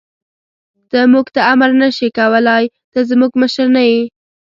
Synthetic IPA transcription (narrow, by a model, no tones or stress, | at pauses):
d̪̥əmuɡt̪aamaɾnaʃikawəlɑj | d̪̥əzmuɡməʃəɾnaji